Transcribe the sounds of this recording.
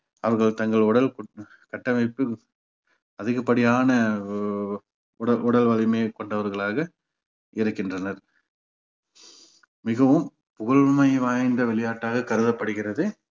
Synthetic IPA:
ɐʋɐɾɣɐɭt̪ɐŋɡɐɭʊɽɐlk | kɐʈːɐʋɐɪpːɯ | ɐðɪɣɐpːɐɽɪjaːnɐ | ʊɽɐʊɽɐlʋɐlɪmeːkɔɳɖɐʋɐɾɣɐɭaːɣɐ | ɪɾɯkːɪndrɐnɐɾ | mɪɣɐʋɯm | pʊɣɐɭmɐjʋaːjnd̪ɐʋɪɭɐjaːʈːaːɣɐkɐɾɯðɐpːɐɽɯɣɪrɐðɯ

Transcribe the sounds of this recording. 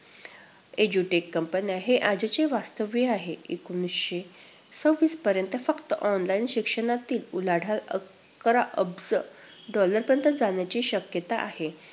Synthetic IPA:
ed͡ʑuʈekːəmpənijaɦeʔad͡ʑat͡ɕeʋast̪əʋiaɦeekunisɕe | səɾʋiːspəɾjənt̪əfəkt̪əʔɔnlainɕikʂəɽ̃at̪iːlulaɽʱalə | kɾaʔəbd͡zə | ɖɔləɾpəɾjə̃nt̪əd͡zaɳjat͡ɕiːɕəkjət̪aʔahe

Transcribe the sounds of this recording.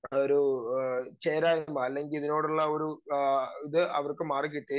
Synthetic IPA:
oɾu | t͡ɕeːɾaːjumːaːɐlːe̞ŋɡiliðino̞ːɽuɭːɐoɾu | iðɨʔɐʋɐrkːɨmaːrik̬ːiʈːɨ

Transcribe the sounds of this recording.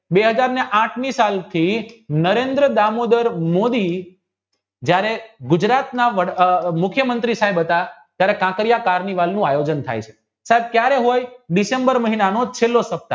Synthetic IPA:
beɦəd͡ʒaɾneʔãʈʰnisalt̪ʰinəɾend̪ɾəd̪amod̪əɾmod̪i | d͡ʒjaɾeɡʊd͡ʒɾat̪naʋəmʊkʰjəmənt̪ɾisaɦebɦət̪at̪jaɾekãkəɾjakaɾniʋalnũajod͡ʒənt̪ʰa̰jt͡ʃʰe̥ | saɦeb̚kjaɾeɦojɖisembəɾməɦinanot͡ʃʰelːosəp̚t̪a

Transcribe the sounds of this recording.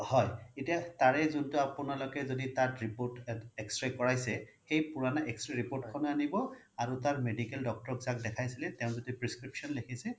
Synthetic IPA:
hɔjetiataɹɛzuntʊapʊnalokɛzoditatɹipoɹtɛkstɹakɔɹajsɛxejpuɹanaʔɛkstɹaɹipoɹtkʰɔnɔanibɔ | aɹutaɹmedikɛldɔk̚tɔɹɔkzak̚dɛkʰajsilɛtɛʊ̃zodipɹiskɹipsɔnlekʰisɛ

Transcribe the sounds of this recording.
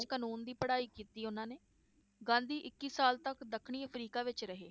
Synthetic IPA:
d͡ʒkaːnuːnd̪iːpəɽaːiːkiːt̪iːʊnãːneː | ɡãːnd̪iːʔɪkːiːsaːlt̪əkd̪əkʰːɳ̃iːəpʰɾiːkaːʋɪt͡ʃɾəɦḛː

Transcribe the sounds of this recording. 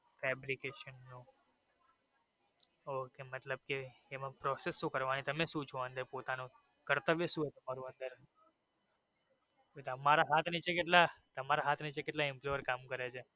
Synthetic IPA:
fɛbɾikeʃənːo | okemət̪ləb̚keːmãpɾɔsesokəɾʋanit̪əmeʃũt͡ʃʰoənd̪əɾpot̪anũ | kəɾt̪əʋjəʃũɦet̪əmaɾũənd̪əɾ | et̪əmaɾaɦat̪ʰnit͡ʃʰekeʈlat̪əmaɾaɦat̪ʰnit͡ʃʰekeʈlaɪmplojəɾkamkəɾet͡ʃʰe

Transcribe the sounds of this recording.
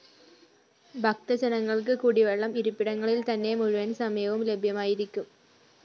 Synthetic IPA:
bʱɐk̚t̪ɐd͡ʑɐnɐŋːɐɭkɨkuɽiʋɐɭːɐmiɾupːiɽɐŋːɐɭilt̪ɐnːe̞muɻuʋɐnsɐmɐjɐʋumle̞bʱjɐmaːjiɾikʲːum

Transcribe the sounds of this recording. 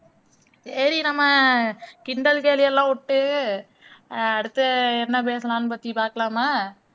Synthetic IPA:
seːɾinɐmːɐ | kɪɳɖɐlkeːlɪjɐlːãːʊʈːɯ | ɐɽɯt̪ːɯɛnːɐp̬eːsɐlãːnɯpɐt̪ːipaːɾkɐlãːmaː

